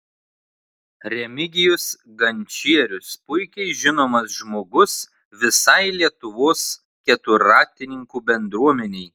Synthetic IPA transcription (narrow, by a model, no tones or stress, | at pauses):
ɾʲɛmʲɪɡʲɪjʊs | ɡɐnʲt͡ʃʲiɛɾʲʊspʊɪkʲɛɪʒʲɪnoːmɐsʒmoːɡʊs | ʋʲɪsɐɪlʲiɛt̪ʊʋoːs | kʲɛt̪ʊɾɑːt̪ʲɪnʲɪŋkuːbʲɛnd̪ɾuɔmʲɛnʲɛɪ